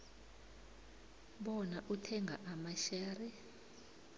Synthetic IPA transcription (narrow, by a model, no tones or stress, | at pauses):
ɓɔnaʔutʰɛŋɡʱa̰ʔamaʃaːrɛ